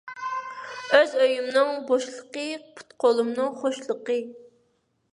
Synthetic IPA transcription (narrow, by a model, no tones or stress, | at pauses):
øzøjymnɨŋboʃlˠəqəpʰu̥t̪qʰolˠumnɨŋχoʃlˠəqə